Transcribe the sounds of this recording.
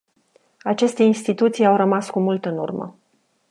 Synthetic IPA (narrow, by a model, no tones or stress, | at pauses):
at͡ʃe̞st̪e̞inst̪it̪ut̪sijawrəmaskumult̪ɨnṵrmə̰